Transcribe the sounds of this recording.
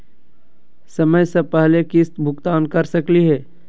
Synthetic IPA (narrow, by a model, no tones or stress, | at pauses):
sɐməjsepɛɦlekɪst̪bʱʊkt̪aːnkɐɾsəkliɦɛː